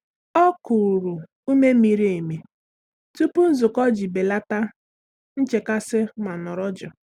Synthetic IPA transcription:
ɔ˦kʊ˨ɾu˨ | u˦me˦mi˨ɾi˦e˨me˨ | tu˦pu˦n̩˦zʊ˨kɔ˦d͡ʒi˨be˨la˦ta˦ | n̩˦t͡ʃe˨ka˦sɪ˦ma˨nɔ˨ɾɔ˦d͡ʒɔ˨

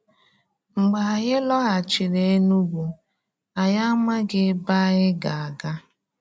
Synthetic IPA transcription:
ŋ͡m̩˨ɡ͡ba˨a˨ɣɪ˦lɔ˦ɣa˨t͡ʃɪ˨ɾe˨e˦nu˦ɡʷu˨ | a˨ja˦ma˦ɡɪ˦ba˦ɣɪ˦ɡa˨a˨ɡa˦

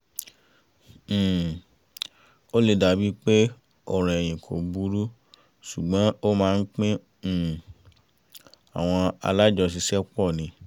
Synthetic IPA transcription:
o˦le˨da˨bi˦k͡pe˦ | ɔ˨ɾ̃ɛ̃˨e˨j̃ĩ˨kʰo˨bu˦ɾu˦ | ʃu˨ɡ͡bɔ̃˨˦o˦mãː˦˧n̩˦k͡pĩ˦˨ | a̰˨w̃ɔ̃˧a̰˧la˦d͡ʒɔ˧s̬i˧sɛ˦k͡pɔ˦˨nĩ˧˦

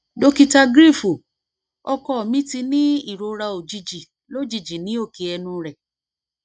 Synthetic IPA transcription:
do˧ki˧ta˧ɡɾi˦˨fu˨ | ɔ˧kɔ˧˦˨mĩ˦ti˧nĩ˦i˦˨ɾo˧ɾa˧o˨d͡ʒi˧d͡ʒi˨ | lo˦˨d͡ʒi˨d͡ʒi˨nĩ˨˦o˦˨ke˧ɛ˧nũ˧ɾɛ˨

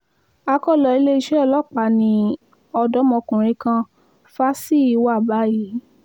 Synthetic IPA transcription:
a˧kɔ˦˨lɔ˧˨i˧le˦i˧˦ʃɛ˦ɔ˧˨lɔ˦˨k͡pa˨˦nĩ˧ | ɔ˧dɔ˦mɔ̃˧kũ˨ɾ̃ĩ˧kã˧ | fa˦si˦˨i˨˧wa˦˨ba˨˦ji˨˦

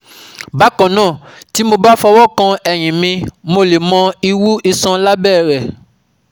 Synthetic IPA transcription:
ba˨˦kɔ̃˨nãː˦˨ | ti˨˦mo˧ba˦fɔ˧wɔ˦kã˧ɛ˨j̃ĩ˨mĩ˧mo˧le˨mɔ̃˧i˧wu˦i˧sã˧la˦bɛː˦˨ɾɛ˨

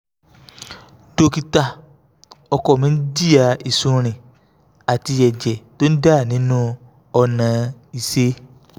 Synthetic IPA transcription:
do˧ki˧ta˧˨ | ɔ˧kɔ˨mĩ˦n̩˦d͡ʒi˦˨a˧˨i˨sũ˧ɾ̃ĩ˨ | a˨ti˧jɛ˨d͡ʒɛ˨to˦n̩˦da˦˨nĩ˨˦nũ˦ | ɔ˧nã˨˦i˨se˧˦

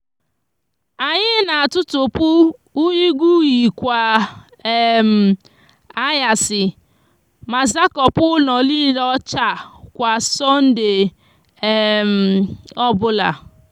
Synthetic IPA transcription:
a˨ɲɪ˦na˨a˨tʊ˦tʊ˨pʊ˦u˦ɲi˦ɡʷu˦ji˨kʷa˨ | e˦m̩˨ | a˦ja˨sɪ˨ | ma˨za˦kɔ˨pʊ˦nɔ˨li˦ɾɔ˦t͡ʃa˦˨kʷa˨sɔ˦n̩˦de˨ | m̩˨ɔ˦bʊ˦la̰˨

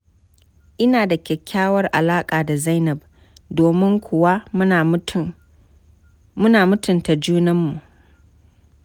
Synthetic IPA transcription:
ʔɪ˦naː˨da˨kʲɛ˨kʲʰːaː˦wɐ˦rʔa˨laː˦kʼaː˨da˨za˦jnɐ˨b | doː˨mɪ˦ŋkʷʊ˨wa˦˨ | mʊ˦naː˨mʊ˦tʰʊ˨nta˨d͡ʒuː˦nɐ˦mːu˨ʔ

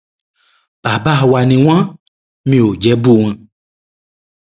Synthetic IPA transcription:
b̥a˨ba˦˨wa˨nĩ˨w̃ã˦ | mĩ˨o˨d͡ʒɛ˨˦bu˦ŋɛ̃˨

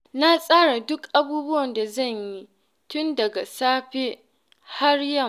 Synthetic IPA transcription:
na˦sʼaː˦ɽa˨dʊ˦kʔa˦buː˦bʊ˦wɐ˨nda˨zɐ˦˨ɲji˦ | tʊ˦ndɐ˨ɡa˨saː˦ɸe˦ | ha˦rjɐ˦˨m

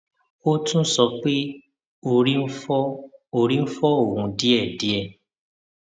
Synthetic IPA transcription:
o˦tũ˦sɔ˧k͡pe˦ | o˨ɾi˦ɔ˦o˦˨ɾĩ˦fɔ˦o˦˨ɦũ˨˧˦di˦ɛ˦˨di˨˦ɛ˦˧˨

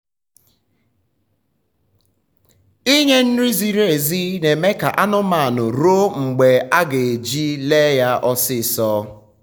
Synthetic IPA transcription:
i˦ɲe˦n̩˦ɾi˦zi˨ɾe˨e˨zi˦ne˨me˦ka˨ʔa˦nʊ˦ma˨nʊ˨ɾo˦ŋ͡m̩˨ɡ͡be˨a˦ɡe˨e˨d͡ʒi˦le˦ja˦ʔɔ˦sɪ˦˨sɔː˦

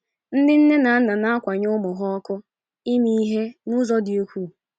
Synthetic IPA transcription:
n̩˦dɪ˦n̩˦ne˦na˨a˦na˨na˦a˦kʷa˨ɲʊ˦mʊ˨ɦɔ˦ɔ˦kʊ˦ | i˦mi˦i˦ɦe˦nu˦zɔ˦dɪ˨o˦kʷu˦˨

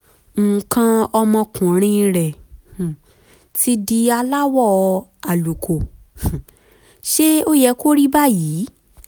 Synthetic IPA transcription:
ŋ̩˨kã˧ɔ˧mɔ̃˧kũ˨ɾ̃ĩ˧ɾɛ˨ | tʰi˧˦di˧a˧la˦wɔ˦˨˧a˨lu˨kʰo˨ | ʃe˦o˦jɛ˧ko˦ɾi˦ba˦˨jiː˨˦

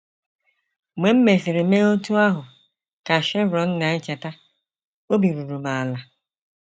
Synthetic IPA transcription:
ŋ͡me˨m̩˦me˨fɪ˨ɾɪ˨me˦o˦tu˦a˦ɦʊ˨ | ka˨ʃɛ˦ɾɔ˨˦n̩˦na˨˦ɪ˦t͡ʃe˨ta˦ | o˦bi˨ɾu˨ɾu˨ma˨la˨

